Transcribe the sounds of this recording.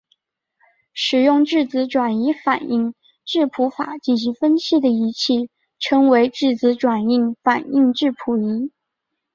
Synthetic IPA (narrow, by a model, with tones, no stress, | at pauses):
ʂɻ̩˨˩jʊ˥˧ŋʈ͡ʂɻ̩˥˩t͡sɹ̩˧˥ʈ͡ʂwa˨˩ni˧˥fa˨˩ni˥˧ŋ | ʈ͡ʂɻ̩˥˩pʰu˧˥fa̰˨˩˦t͡ɕi˥˩nɕ̬i˧˥ŋfə˥nɕʰi˥˩d̪ə˩i˧˥t͡ɕʰi˥˩ | ʈ͡ʂʰɤ˥ŋwe˧˥ɪʈ͡ʂɻ̩˥˩t͡sɹ̩˧˥ʈ͡ʂwa˨˩ni˥˩ŋfa˨˩ni˥˧ŋʈ͡ʂɻ̩˥˩pʰu˧˥i˧˥